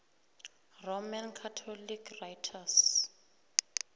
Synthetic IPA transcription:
romankʰatʰɔlikrajtʰas

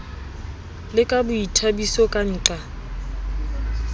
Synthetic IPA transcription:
lɪkʼabʊitʰabisɔkʼan̩ːǁa

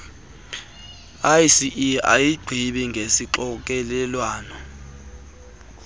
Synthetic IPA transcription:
ajisiʔia̰jiɡ͡ǀʱiɓɛŋɡʱesiǃɔk̬ɛlɛlwaːnɔ

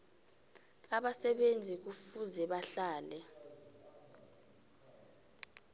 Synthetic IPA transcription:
aɓasɛɓend͡zʱik̬ufuzɛɓaɬaːlɛ

